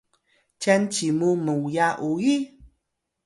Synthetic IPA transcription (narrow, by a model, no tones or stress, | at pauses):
t͡ʃɛnt͡ʃimuməwjaʔuji